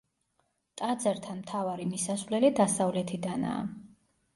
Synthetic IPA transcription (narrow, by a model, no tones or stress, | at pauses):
t̪ʼad̪zɛɾt̪ʰanmt̪ʰavaɾimisasvlɛlid̪asavlɛt̪ʰid̪ana̰ː